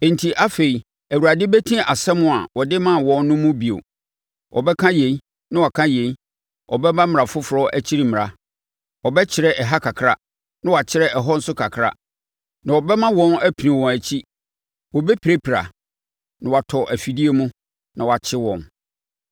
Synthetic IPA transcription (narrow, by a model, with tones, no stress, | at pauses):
ɛ̃˨n˨tʰi˨ʔa˦fe˨i˨ | æ˨wu˨ɾa˨dɪ˦bæ˦tʰĩ˦a˨sɛ˦mʊ̃˦a̰˨wɔ˨dɪ˦mã˦˨wɔ̃˨nːʊ̃˦mʊ̃˦bi˨o̰˨ | wʔɔ̰˨bɛ˦kʰã˦je˨i˦ | nã˦wɔ˨kʰã˦jẽ˨i˦ | ʔɔ̰˨bɛ˦mã˦m˨ã˨fʊ˦fʊ˨ɾɔ˦ʔæ˦t͡ɕʰi˦ɾi˦mɪ̃˨a˨ | ɔ˨bɛ˦t͡ɕʰɪ˨ɾɛ˦ʔɛ˨ɦa˦kʰa˨kʰɾa˦ | nã˦wa˨t͡ɕʰɪ˦ɾɛ˦ɛ˨ɦɔ˦n̩˦sʊ˦kʰa˨kʰɾa̰˦ | nã˨wɔ˨bɛ˦mã˦wɔ̃˦næ˦pʰi˨nĩ˨wɔ̃˨æ˨t͡ɕʰi˦ | wɔ˨bɛ˦pʰi˨ɾe˦pʰi˨ɾa̰˨ | nã˨wa˨tʰɔ˨ʔæ˨fi˨di˦e˦mũ˦ | nã˨wɔ˨a˨t͡ɕʰɪ˦wɔ̃˨n